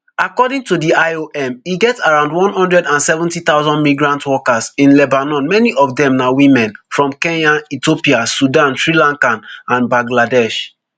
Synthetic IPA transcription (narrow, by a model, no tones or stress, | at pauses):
akɔdĩŋtudiaɪoʔɛ̃miɡɛtaɹãʊ̃ndwɔ̃nhɔ̃ndɹɛdãnsɛvũntit̪aʊzɔ̃ndmiɡɹãntwɔkasĩnlɛbanɔ̃nmɛniʔɔfdɛ̃mnawĩmɛ̃nfɹɔ̃mkɛ̃naitopiasudãnsɹilãŋkãnãnbãɡladɛʃ